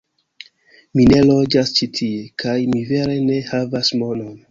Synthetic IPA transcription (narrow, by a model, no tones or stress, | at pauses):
mine̞lo̞d͡ʒast͡ʃitʰiekʰajmive̞ɾe̞ne̞havasmo̞no̞n